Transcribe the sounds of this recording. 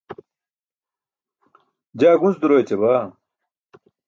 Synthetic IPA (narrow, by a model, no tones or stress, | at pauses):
d͡ʑaːɡunsd̪uɾoːjet͡ɕebaː